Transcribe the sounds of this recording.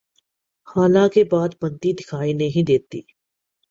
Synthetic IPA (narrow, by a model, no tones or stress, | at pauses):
haːlãkebaːd̪bɐ̃nt̪id̪ɪkʰaːinɐɦĩd̪eːt̪ḭː